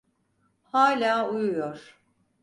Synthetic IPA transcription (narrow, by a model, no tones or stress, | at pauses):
haːlʲaːujujoɾ̥